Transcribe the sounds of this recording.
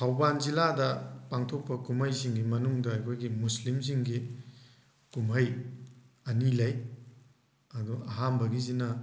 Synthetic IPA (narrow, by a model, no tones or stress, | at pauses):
tʰawbanziladɐpaŋtʰok̚pɐkumɐjsiŋɡimɐnuŋdɐɐjkʰojɡimuslims̬iŋɡi | kumɦɐj | ɐnilɐj | ɐduɐɦambɐɡizinɐ